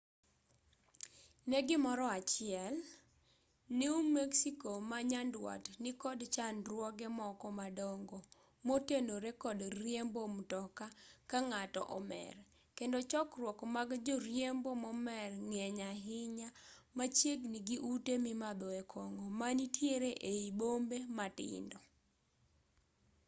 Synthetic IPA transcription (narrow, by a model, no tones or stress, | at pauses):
nɛɡɪmɔɾɔat͡ʃɪɛl | niumeksikomaɲandwa̰tnɪkɔdt͡ʃanɾwɔɡɛmɔkɔmadɔŋɡɔ | motenoɾekɔdrjembomtɔkakaŋatɔ̰ʔɔmɛ̰r | kendɔt͡ʃɔkrwɔkmaɡd͡ʒoɾjembomɔmɛrŋɛɲaɦɪɲamat͡ʃjeɡniɡiʔutemimad̪ɔɛkʰɔŋɔmanitʰjeɾeʔeibombematɪ̰ndɔ